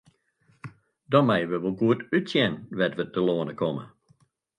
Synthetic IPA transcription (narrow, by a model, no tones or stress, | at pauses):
dɔnmɛjəʋəʋolˠɡuətytsjɛnʋɛtʋətəloːənəkʰɔmə̰